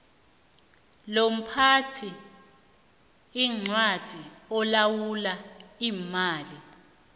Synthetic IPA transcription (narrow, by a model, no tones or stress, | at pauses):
lom̩pʰatʰi | iŋ͡ǀwad̥ʱiɔlawulaiːmaːli